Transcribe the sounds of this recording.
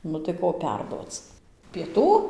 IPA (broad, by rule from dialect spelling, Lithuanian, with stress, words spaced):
ˈnʊ tɐɪ ˈkoː ˈpʲɛrduɔt͡s pʲiɛˈtuː